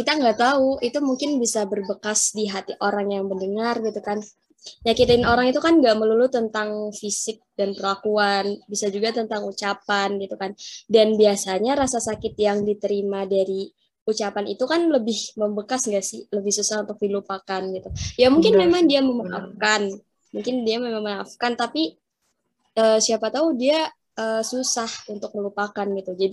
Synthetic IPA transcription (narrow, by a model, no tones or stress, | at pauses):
kit̪aŋɡaʔt̪auit̪umuŋkɪnbisabərbəkasdiɦat̪iʔoɾaŋjaŋbəndəŋarɡit̪ukan | jakit̪aɪnoɾaŋit̪ukanɡaʔməlulʊt̪ːənt̪aŋfisɪk̚danpəlakuanbisad͡ʒuɡat̪ənt̪aŋut͡ʃapanɡit̪ukandanbiasaɲaɾasasakɪt̪̚jaŋdit̪əɾimadaɾi | ut͡ʃapanḭt̪ukanləbɪhməmbəkasŋɡaʔsɪləbɪhsusahunt̪ʊk̚dilupakanɡit̪ujamuŋkɪnmemaŋdiaməmaa̰fkan | muŋkɪndiamemaŋmaafkant̪api | əːsiapat̪audia | əːsusahunt̪ʊk̚məlupakanɡit̪ud͡ʒadi